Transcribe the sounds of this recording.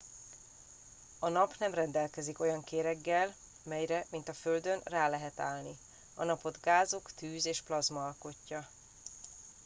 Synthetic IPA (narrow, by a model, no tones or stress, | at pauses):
ɒnɒpnɛmrɛnd̪ɛlkɛziko̞jɒŋkeːɾɛɡːɛl | mɛjɾɛmint̪ɒføld̪ø̞nraːlɛɦɛt̪a̰ːlni | ɒnɒpo̞d̪ɡaːzokt̪yːzeːʃplɒzmɒːlko̞cːɒ